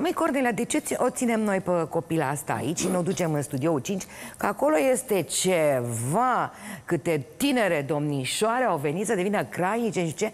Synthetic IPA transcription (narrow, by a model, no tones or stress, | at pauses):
məjkornelead̪e̞t͡ʃeʔo̞t̪sine̞mno̞jpəko̞pilaast̪a̰ːit͡ʃʲʃinod̪ut͡ʃe̞mɨnst̪ud̪io̞ut͡ʃint͡ʃʲkəako̞lo̞je̞st̪e̞t͡ʃe̞vakɨt̪e̞t̪ine̞ɾe̞d̪o̞mniʃoaɾeawve̞nit̪səd̪e̞vinəkɾajnit͡ʃe̞ʃit͡ʃe̞